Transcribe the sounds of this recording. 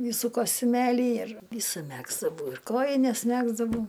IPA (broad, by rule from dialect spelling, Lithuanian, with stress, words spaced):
ˈʋʲiːsuː koːsʲtʲʊˈmʲeːlʲiː ɪr ˈʋʲiːsʊ ˈmʲæːɡzdɐʋɐʊ ɪr ˈkoːjɪnʲɛs ˈmʲæːɡzdɐʋɐʊ